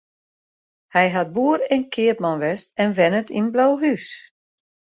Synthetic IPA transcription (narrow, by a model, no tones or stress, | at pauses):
hɛjɦat̚buːəɾɛnkʰɪəpmanʋɛstɛnʋɛnətinblawɦys